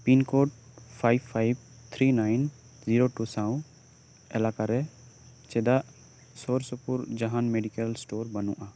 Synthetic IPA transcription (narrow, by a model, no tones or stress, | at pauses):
pinkoʈ̚pʰajbpʰːajb̚ | t̪ʰɾinajn | ziɾoʈusaw̃ | ɛlakaɾɛ | t͡ʃɛd̪aʔ | sɔɾsɔpuɾd͡ʒaɦanmeɖikɛlsʈoɾbənuʔa